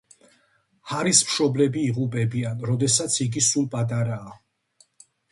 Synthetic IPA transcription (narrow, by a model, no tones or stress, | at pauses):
haɾismʃɔblɛbiːʁupʼɛbianɾɔd̪ɛsat̪sʰiɡisulˠpʼat̪ʼaɾaː